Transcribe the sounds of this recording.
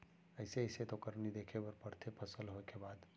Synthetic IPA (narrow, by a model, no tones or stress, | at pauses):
əɪseəɪset̪okəɾnid̪ekʰebəɾpəɾt̪ʰepʰəsəlɦoekebad̪